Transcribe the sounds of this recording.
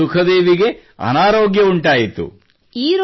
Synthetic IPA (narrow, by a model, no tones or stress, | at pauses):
ukʰɐd̪eːʋiɡe̞ | ɐ̰naːɾoːɡjɐuɳʈaːjit̪ṵ | iːɾ